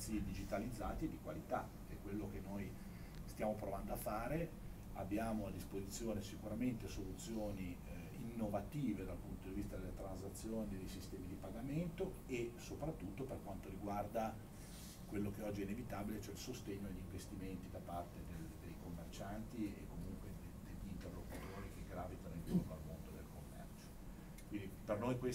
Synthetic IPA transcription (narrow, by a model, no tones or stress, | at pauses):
sied̪id͡ʒit̪alid̪zːaːt̪ied̪ikwalit̪a | ɛkːwelːok̟enːoj | st̪jaːmopɾovand̪oafːaːɾe | a̰bːjaːmoad̪ːispozit̪sːjoːnesikuɾament̪esolut̪sːjoːni | inːovat̪iːved̪alpunt̪od̪ivist̪ad̪elːet̪ɾanzat̪sːjoːnid̪ejsist̪ɛːmid̪ipaɡament̪o | esopɾat̪ːut̪ːoperkwant̪oɾiɡward̪a | kwelːokeɔd͡ʒːiɛinevit̪aːbilet͡ʃoɛilsost̪eɲːod̪eʎːiɱvest̪iment̪id̪apart̪ed̪eld̪ejkomːert͡ʃant̪iḛkːomuŋkwed̪ed̪eʎːint̪erlːokut̪oːɾikeɡɾaːvit̪anoild͡ʒornoalmond̪od̪elkomːɛ̰rt͡ʃo̥ | kwind̪ipernojkwe